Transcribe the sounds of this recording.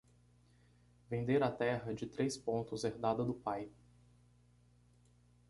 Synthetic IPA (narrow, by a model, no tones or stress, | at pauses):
vẽnd̪eɾat̪ɛɦɐd͡ʒɪt̪ɾespõnt̪ʊzeɾd̪ad̪ɐd̪ʊpaj